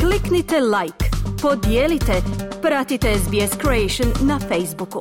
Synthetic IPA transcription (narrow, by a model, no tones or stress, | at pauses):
kliknit̪elajkpod̪jeːlit̪epɾat̪it̪ezbieskɾeejʃonːafejzbuku